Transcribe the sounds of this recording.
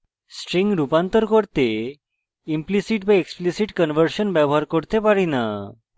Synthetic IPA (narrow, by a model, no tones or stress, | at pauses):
sʈɾiŋɡɾupãnt̪əɾkəɽt̪e | implisiʈbẽeksplisiʈkənʋəɾɕənbjabʱɦaɾkəɽt̪epaɾina